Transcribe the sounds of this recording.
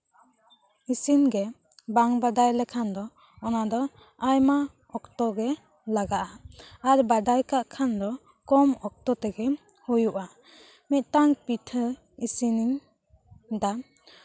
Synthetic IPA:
isinɡe | baŋbadajlɛkʰand̪ɔ | ɔnad̪ɔ | ajma | ɔktɔɡɛ | laɡaʔaːɾbadajkaʔkʰand̪ɔ | kɔmɔk̚tɔt̪ɛɡɛ | hujuʔa | mɛt̪̚taŋpitʰə | isiniŋ | da

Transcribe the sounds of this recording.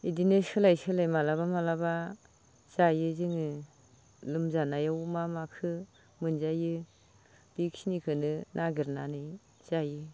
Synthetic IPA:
idinɯsʰɯlajsɯlajmalabamalaba | z̥ajɯzɯŋɯ | lɯmzanajawmamakʰɯ | mɯnzajɯ | b̥ik̚sinikʰɯnɯnʔaɡiɾnanɯj | z̥ajɯ

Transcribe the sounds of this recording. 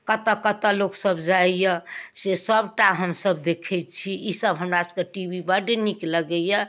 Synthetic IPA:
kət̪əkət̪əloksəbd͡ʒaijəsesəbʈaɦəmsəbd̪ekʰɛt͡ʃʰiisəbɦəmɾaskeʈibibaɖenikləɡəjə

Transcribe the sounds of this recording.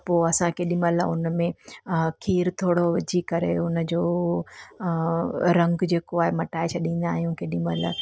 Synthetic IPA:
poːɐsãkeɗĩməlʊnmẽkʰiːɾt̪ʰoːɽod͡ʑikɐɾḛʊnəd͡ʑoː | ɾɐ̃ŋɡd͡ʑeːkoaːɦemɐʈaːɪt͡ɕʰɐɗĩːn̆d̪aːɦijũkeɗĩmə̰l̰

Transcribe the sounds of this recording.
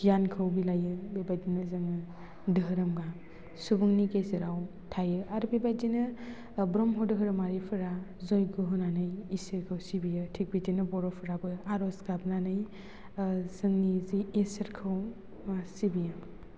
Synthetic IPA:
ɡijankʰɯwbilajɯbebajdinɯzɯŋɯ | dɯɦɯɾɐmɡa | subuŋnikezɯɾaw | tʰajɯaɾbebadinɯ | bɾɔmɦɔdɯɦɯɾɐmaɾipʰɯɾazɔjɡɯɦɯnanɯjisiɾkʰɯwsibijɯtʰik̚bitinɯbɔɾɔpʰɯɾabɯaɾɔsɡabnanɯj | zɯŋnizieseɾkʰɯw | sibijɯ

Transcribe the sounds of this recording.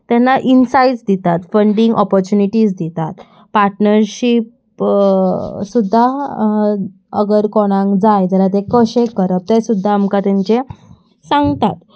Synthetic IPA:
t̪ɛnːaʔinsajt͡sd̪it̪at̪fəɳɖiŋɡɔpɔɾt͡ɕuniʈisd̪it̪at̪ | paɾʈnəɾɕip | sud̪ʱːa | ə̰ɡəɾkɔɽ̃ãŋkd͡zajd͡zalat̪̬ekəɕẽkəɾəp̚t̪esud̪ʱːaːmkat̪ɛ̃ɲt͡ɕe | sãŋɡt̪at̪

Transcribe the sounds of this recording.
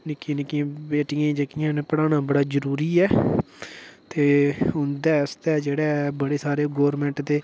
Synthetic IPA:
nɪkːĩnɪkːiãːbeːʈɪjãːd͡ʒekɪjãːnepəɽaːnãːbəɽaːzəɾuːɾiːɛː | t̪eːʊnd̪ɛːst̪ɛːd͡ʒeːɽɛːbəɽeːsaːɾeːɡɔːɾmɛ̃ːɳʈd̪eː

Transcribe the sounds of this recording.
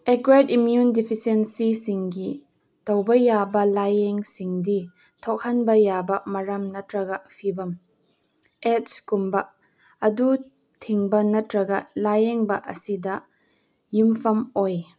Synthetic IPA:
ʔɛkwadimjundipʰisensisiŋɡi | towbɐjabɐlajɛŋsiŋdi | tʰɔk̚hɐnbɐjabɐmɐɾɐmnɐtɾɐɡɐpʰibɐm | ɛt̚skumbɐʔ | ɐdu | tʰiŋbɐnɐtɾɐɡɐlajɛŋbɐʔɐ̰sidɐ | jumfɐmoj

